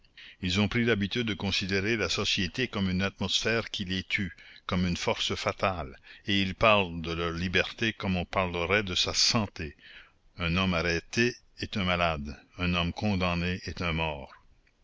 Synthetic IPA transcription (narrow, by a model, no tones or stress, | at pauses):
ilzɔ̃pɾilabit̪yd̪̚ːəkɔ̃sid̪eʁelasɔsjet̪ekɔmynat̪̚mɔsfɛːʁkʲilɛt̪ʰykɔmynfɔʁsəfat̪aleilpaʁld̪əlœːʁlibɛʁt̪ekɔmɔ̃paʁləʁɛd̪əsasɑ̃t̪e | ɛ̃nɔmaɾɛːt̪e | ɛt̪ɛ̃malad̪ɛ̃nɔmkʰɔ̃d̪ɑ̃neɛt̪ɛ̃mɔːʁ